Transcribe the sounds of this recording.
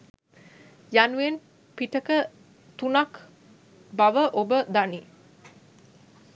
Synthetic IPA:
januʋen | piʈəkə | t̪unak | baʋəʔobəd̪ani

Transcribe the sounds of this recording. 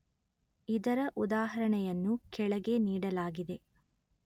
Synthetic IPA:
id̪ɐɾɐʔud̪aːɦɐɾɐɳɛjɐnːukɛɭɐɡe̞niːɽɐlaːɡid̪e̞

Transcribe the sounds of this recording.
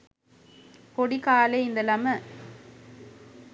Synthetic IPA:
kɔɽikaːlɐɪɪnd̪ɐlɐmɐ

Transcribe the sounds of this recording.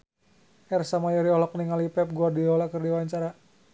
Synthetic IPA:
ʔɛrsamajɔɾiɔlɔk̚niŋalipɛp̚ɡuardilɔlakərdiwaɲt͡ʃaɾa

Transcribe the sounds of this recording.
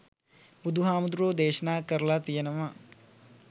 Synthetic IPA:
bud̪ʱuɦaːmɐd̪ɾoːd̪eːʃɐnaːkɐɾlat̪ijɐnɐmɐ

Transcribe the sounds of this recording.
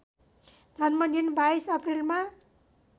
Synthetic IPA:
d̪ʱʌnmʌnd̪inbaisʌpʰrilma

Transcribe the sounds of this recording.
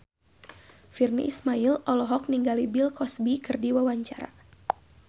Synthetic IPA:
firnḭʔismailɔlɔɦɔk̚niŋɡalibilkɔsbikɨrdiwawaɲt͡ʃaɾa̰

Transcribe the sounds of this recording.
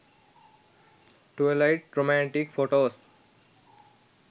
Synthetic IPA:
ʈoelaɪʈ̚ɾomæ̃ɳʈikfoːʈoːs

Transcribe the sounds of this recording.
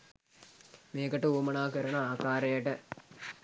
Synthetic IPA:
meːkɐʈəuːmɐnaːkəɾɐnɐaːkaːɾɐjəʈə

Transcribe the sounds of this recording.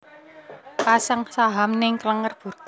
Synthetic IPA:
pasaŋsaɦamnɪŋkələŋərb̥ṳrk

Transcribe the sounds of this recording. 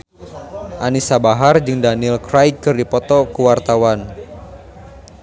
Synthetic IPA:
ʔanisabaɦard͡ʒɨŋdanilkɾajkɨrdipɔt̪ɔkuwart̪awan

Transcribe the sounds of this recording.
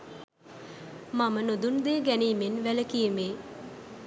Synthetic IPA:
mamənod̪und̪eːɡæniːmenʋæləkijəmeː

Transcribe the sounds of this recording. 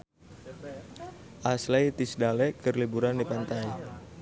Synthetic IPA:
ʔaslejt̪isdalɛkərlibuɾandipant̪ai

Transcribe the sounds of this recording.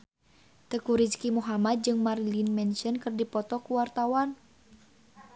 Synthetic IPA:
t̪əkuɾit͡ʃkimuɦamat̪̚d͡ʒɨŋmarlinmɛnʃənkɨrdipɔt̪ɔkuwart̪awan

